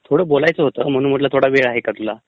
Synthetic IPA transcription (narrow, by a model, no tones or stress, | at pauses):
t̪ʰoɽəːbolajt͡səɦot̪əːm̤əɽ̃uːnm̤əʈ̪̬lat̪ʰoɽaʋeɭaɦekat̪ula